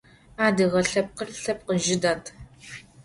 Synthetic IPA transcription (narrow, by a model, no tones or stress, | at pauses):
aːdɨʁɐɬɐp̚qərɬɐp̚qəʒɪdaːtʰ